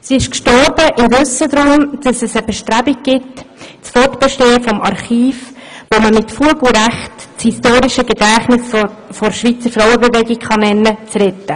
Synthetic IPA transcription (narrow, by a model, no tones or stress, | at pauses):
siɪʃkʃtɔɾb̥əʔɪmvɵsəd̪ɾʊmd̥ɑsɛsəb̥ɛʃtɾæbiɡ̚ɡ̥ɪtt͡sfɔrtb̥ɛʃteːəfɔmʔɑɾχiːf | ʋoməmɪtfuəɡl̩ɾæχtt͡shistoːɾiʃəɡɛdæːχnɪs | fɔɾʃʋiːt͡səɾfɾawəbɛvɛɡɪɡχɑnɛnət͡srɛtːə